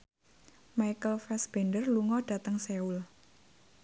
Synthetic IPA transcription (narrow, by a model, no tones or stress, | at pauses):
majkəlfɛsb̥ɛndərluŋɔɖ̥a̤t̪əŋseul